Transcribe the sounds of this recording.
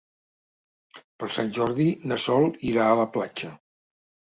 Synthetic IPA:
pəɾˠsanʲʒɔɾðinəsɔlˠiɾaələplat͡ʃə

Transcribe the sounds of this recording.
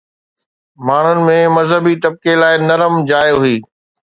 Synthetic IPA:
maːɳ̤ʊnɪ̆mẽmɐzɦəbit̪ɐb̚kelaːɪnɐɾəmd͡ʑaːjoɦʊiː

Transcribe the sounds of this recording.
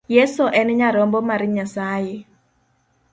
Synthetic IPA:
jesoʔɛnɲaɾɔmbɔmaɾɲasaje

